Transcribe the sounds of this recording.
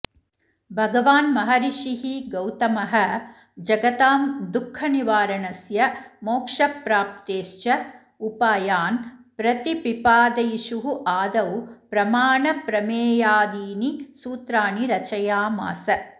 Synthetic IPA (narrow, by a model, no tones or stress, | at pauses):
bʱɐɡɐʋaːnmɐɦɐɾiʃiɦiɡɐwt̪ɐmɐɦɐ | d͡ʒɐɡɐt̪aːmd̪ukʰːɐniʋaːɾɐɳɐsjɐmoːkʂɐpɾaːp̚t̪eːʃt͡ʃɐ | upaːjaːnpɾɐt̪ipipaːd̪ɐjiʃuɦuʔaːd̪ɐwpɾɐmaːɳɐpɾɐmeːjaːd̪iːnisuːt̪ɾaːɳiɾɐt͡ʃɐjaːma̰ːsɐ